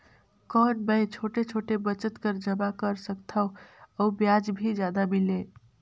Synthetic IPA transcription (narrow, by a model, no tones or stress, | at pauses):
kɔnbəjt͡ʃʰoʈet͡ʃʰoʈebət͡ʃət̪kəɾd͡ʒəbakəɾsəkt̪ʰəʊəubjad͡ʒbʱid͡ʒjad̪abile